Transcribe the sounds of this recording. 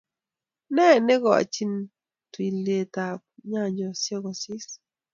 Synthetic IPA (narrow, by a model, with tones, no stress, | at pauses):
nɛ˦˨ne˦ɡɔ˨a̰˨t͡ʃi˦n | twi˨le˨ta˨k̚ɲa˦˨ɲɔ˨sjɔ˦ɡɔ˨si˦s